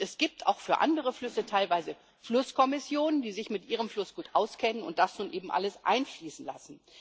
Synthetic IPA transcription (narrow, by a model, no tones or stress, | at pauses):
ɛsɡ̥iːp̚tʰa̰ʊxfyːɐʔa̰ndəʁ̞əflʏsətʰaɪlvaɪzə | flʊskʰɔmɪsjoːnəndiːzɪçmɪtʔiːʁ̞əmflʊsɡ̥uːtʔaʊskʰɛnənʊ̰nt̚d̥asnuːnʔeːbm̩ʔa̰ləsʔa̰ɪnfliːsn̩la̰sn̩